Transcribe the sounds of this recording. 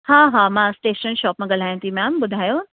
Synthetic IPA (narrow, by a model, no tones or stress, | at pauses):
ɦãːɦãːmãːsʈeːʃənʃɔːpmãɡɐl̤aːjũt̪ʰimɛ̃ːmbʊd̪ʱaːjoː